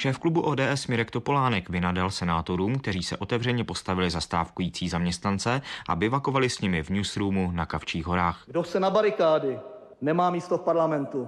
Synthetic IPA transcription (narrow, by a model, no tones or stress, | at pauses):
ʃɛːfklubuʔoːdɛːʔɛsmɪɾɛkt̪o̞po̞laːnɛkvɪnadalsɛnaːt̪o̞ɾuːmkt̪ɛɾiːsɛ̰ʔo̞t̪ɛvr̝ɛɲɛpo̞st̪avɪlɪzast̪a̰ːfkujiːt͡siːzamɲɛst̪nant͡sɛʔa̰bɪvako̞valɪsɲɪmɪvɲuːsɾuːmunakaft͡ʃiːɣɦo̞ɾaːxɡdosɛnabaɾɪkaːdɪ | nɛmaːmiːst̪ofpaɾlamɛnt̪u